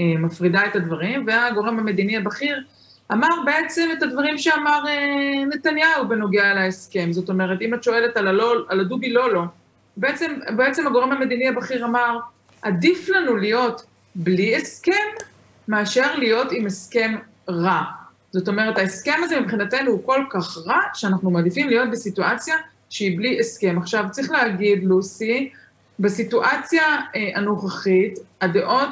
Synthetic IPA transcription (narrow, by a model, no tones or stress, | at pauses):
emafʁidae̞tadvaʁimveaɡo̞ʁe̞mhame̞d̪iniabaχiʁ | amaʁbe̞e̞t͡se̞me̞tadvaʁimʃeamaʁene̞t̪anjaubeno̞ɡealaeske̞mzo̞t̪o̞me̞ʁe̞timat̪ʃo̞e̞le̞talaloaladubilo̞lo | beet͡se̞mbeet͡se̞maɡo̞ʁemhame̞d̪iniabaχiʁamaʁ | ʔad̪iflanulijo̞t | blieske̞mː | aːʃe̞ʁlijo̞timeske̞m | ʁa | z̥o̞t̬o̞meʁethaeske̞mazemipχinate̞nuhuko̞lkaχʁaʃeanaχnumad̪ifimlijo̞t̪̚besituat͡sja | ʃeibliʔeske̞maχʃavt͡sʁiχleaɡid̪lusi | besituʔat͡sjaanoχaχitadeʔo̞t